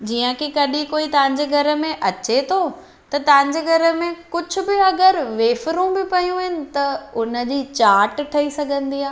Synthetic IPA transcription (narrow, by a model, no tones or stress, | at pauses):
d͡ʑiːə̃kikɐɗĩkoːit̪ɐ̃ʋɪ̃ɲ̆d͡ʑeɡʱɐɾəmẽʔɐt͡ɕet̪ʰoː | t̪ɐt̪ɐʋɦɪ̃ɲ̆d͡ʑeːɡʱɐɾəmẽkʊd͡ʑʱʊ̆bɪɐɡəɾʋeːfɾũbɪpɐjũɦɪnɪ̆t̪ɐʊnə̆d͡ʑiːt͡ɕaːɾʈʈʰɐisɐɡʱə̃nd̪iːɦaː